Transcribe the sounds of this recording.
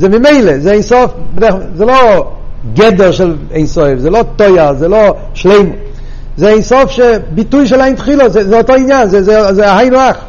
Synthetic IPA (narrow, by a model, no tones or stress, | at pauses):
zemɪmeɪlˠezeeɪnsɔfbdɛχzelo | ɡɛdəɾʃɪlˠ | eɪnsɔɪfzeːlot̪ɔɪazelˠo | ʃleɪmʊ | zeeɪnsɔfʃɛbɪtuɪʃɛlˠaɪntχiːlˠəzezehɔtɔɪnjanzezezeahaɪnʊaχ